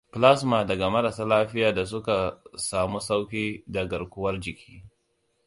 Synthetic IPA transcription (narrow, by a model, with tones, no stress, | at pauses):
pla˦s̬maː˨dɐ˨ɡa˨mɐ˦ɾa˨saː˦laː˦ɸɪ˦jaː˨da˨s̬ʊ˦ka˨saː˨mu˦sa˦wkʲiː˦da˨ɡɐ˨rkʷʊ˦wɐ˦rd͡ʒɪ˨kʲʰi̥ː˦